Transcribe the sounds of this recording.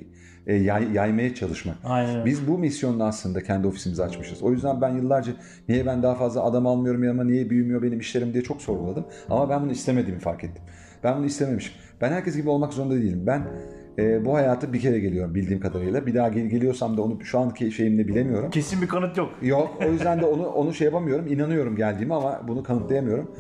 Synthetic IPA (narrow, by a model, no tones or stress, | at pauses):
ɛjajajmajɛt͡ʃʰalˠɯʃmakajnbizbumisjo̞nd̪aːslˠɯnd̪acʰænd̪io̞fisimizɛat͡ʃmɯʃɯzo̞jyzd̪ænbænjɯlˠːaɾd͡ʒa | nijɛbænd̪aɦafazlˠaːd̪amalˠmɯjo̞ɾumjamanejɛbyjymyjo̞be̞nimiʃlʲe̞ɾimd̪ijɛt͡ʃʰo̞kso̞ɾɡulˠad̪ɯm | a̰mabænbunuist̪e̞me̞d̪iːmifa̰ɾket̪ʰːi̥m | b̥ænbunuist̪e̞me̞miʃi̥m | b̥ænhæɾcʰɛsɟibio̞lˠmakzo̞ɾund̪ad̪eijilʲimbæn | ɛːbuhajaːt̪ʰɯbicʰe̞ɾɛɟelʲijo̞ɾumbilʲd̪iːmkʰad̪aɾɯjlˠabid̪aːɟeɟe̞lʲijo̞samd̪ao̞nuʃuancʰeʃe̞jimd̪ɛbilʲe̞mijo̞ɾumcʰe̞sinbikʰanɯt̪jokjokojyzd̪ænd̪ɛo̞nuʔo̞nuʃejapamɯjo̞ɾuminanɯjo̞ɾumɟælʲd̪iːmiamabunukʰanɯt̪lˠajamɯjo̞ɾum